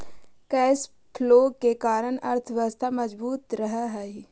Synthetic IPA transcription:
kɛːs | pʰloːkekaːɾənɐ̰ɾt̪ʰʋəst̪ʰamɐd͡ʒbuːt̪ɾəɦaɦɛːɦi

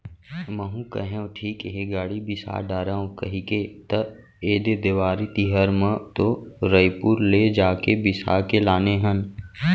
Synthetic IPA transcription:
məɦũkɐ̰ɦẽõʈʰiːkɦeɡaːɽibɪsa̰ːɖaːɾaõkɐɦiket̪ə | eːd̪ed̪eʋaːɾit̪iɦəɾmə̃t̪oɾəjpuːɾled͡ʒaːkebɪsa̰ːkelaːneɦən

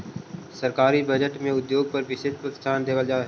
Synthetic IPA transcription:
səɾkaːɾibəd͡ʒəʈmẽʊd̪joːɡ̚pəɾbʱɪsɪd̪̚pɾət̪ɪ̥st̪ʰaːnd̪eːʋəld͡ʒaːɦɛ

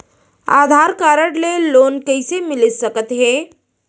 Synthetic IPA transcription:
a̰ːd̪ʱaɾkaːɾəɽleloːnkəisemɪləsəkət̪ɦẽː

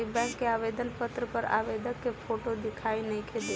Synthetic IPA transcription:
ibɛ̃kːeaʋed̪ənpət̪ɾəpəɾa̰ʋed̪əkːepʰoʈod̪ikʰainəĩkʰed̪e

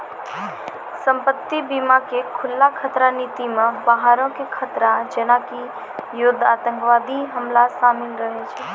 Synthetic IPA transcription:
səmpət̪ːibimakekʰʊlːakʰət̪ɾanit̪imẽbaɦaɾõkekʰət̪ɾad͡ʒenaki | jʊd̪ʱat̪ə̃ŋkʋad̪iɦəmlasamɪlɾəɦet͡ʃʰɛ

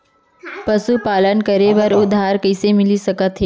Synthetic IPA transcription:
pəsupaːlənkəɾeʋɐɾʊd̪ʱaːɾkəːsemɪlisɐkət̪ɦɛ

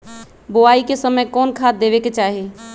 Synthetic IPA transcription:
bʊaːikesəməjkɔːnkʰaːt̪̚d̪eːʋeket͡ʃaːɦeː

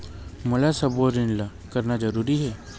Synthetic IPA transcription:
mʊlasɐboɾɪnla | kɐɾnad͡ʒɐɾuːɾiɦɛː

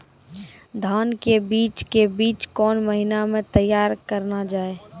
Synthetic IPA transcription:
d̪ʱaːnkebiːt͡ʃkebiːt͡ʃkɔːnməɦɪnamẽt̪əjːaːɾkəɾnad͡ʒaːeː

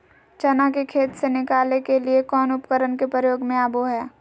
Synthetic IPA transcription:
t͡ʃɐnakekʰeːt̪senɪkaːlnekeliekɔːnʊpkəɾənkepɾəjoːɡmẽaːboɦɛː

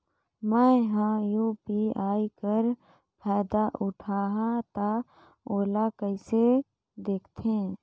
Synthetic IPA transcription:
mɛ̃ːɦãjuːpiaːikəɾ | pʰɛːd̪aʔʊʈʰaːɦãt̪a | oːlakəɪse | d̪eːkʰt̪ʰẽ

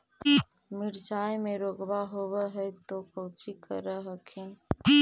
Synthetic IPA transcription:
miɾd͡ʒajmeɾoɡbaɦobəɦəjt̪opəwt͡ʃikəɾəɦəkʰin

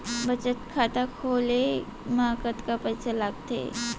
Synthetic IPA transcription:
bət͡ʃət̪kʰaːt̪akʰoːle | maːkət̪kapət͡ʃʰəlaːɡt̪ḛː

